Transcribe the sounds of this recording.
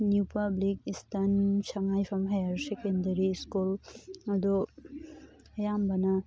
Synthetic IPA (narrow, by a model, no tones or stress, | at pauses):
njupablik̚istʰansɐŋajpʰɐmɦajaɾsekendɐɾiskulɐd̪ɔ | ɐjambana